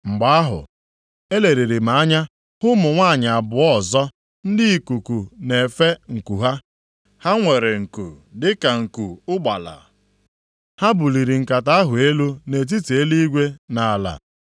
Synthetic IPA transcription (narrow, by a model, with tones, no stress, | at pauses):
ŋ͡m̩˨ɡ͡ba˨˦a˦ɦʊ̰˨ | e˦le˨ɾe˨ɾi˨ma˨a˦ɲa˦ | hʊ˦mʊ˨ŋʷa˦˨ɲ˨a˨bʊ˨ɔ˦zɔ˦ | n̩˦dɪ˦i˨ku˨ku˨ne˨fe˦ŋ̩˨ku˨ɦa˦ | ha˦ŋʷe˨ɾe˨ŋ̩˨kṵ˨dɪ˦ka˨ŋ̩˨ku˨ʊ˦ɡ͡ba˨la̰˨ | ha˦bu˨li˨ɾi˨ŋ̩˨ka˨ta˦a˦ɦʊ˨e˦lu˦ne˨t̬i˦te˦li˦i˦ɡʷe˦na˨la̰˨